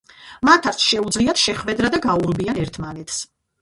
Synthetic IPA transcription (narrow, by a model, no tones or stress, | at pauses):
mat̪ʰaɾt̪sʃɛud̪zliat̪ʰʃɛχvɛd̪ɾad̪aɡauɾbianɛɾt̪ʰmanɛt̪ʰs